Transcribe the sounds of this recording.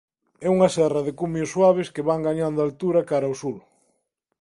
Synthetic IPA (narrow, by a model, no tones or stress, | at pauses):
ɛuŋɐsɛrɐðɪkumjosːwaβ̞eskeβaŋɡaɲand̪alt̪uɾɐkaɾaosul